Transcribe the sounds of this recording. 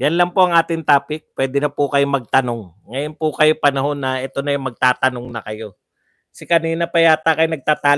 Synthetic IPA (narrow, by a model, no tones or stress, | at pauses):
jɐnlɐŋpoʔɐŋʔaːt̪ɪŋt̪aːpɪk̚pwɛːd̪ɪnɐpʊkɐjomɐɡ̚t̪ɐno̞ŋː | ɐjo̞npʊkɐjopɐnɐɦo̞nːɐʔɛt̪o̞nɐjʊŋmɐɡ̚t̪aːt̪ɐno̞ŋnɐkɐjo̞ | sɪkɐniːnɐpɐjaːt̪akɐjŋnɐɡ̚t̪aːt̪aː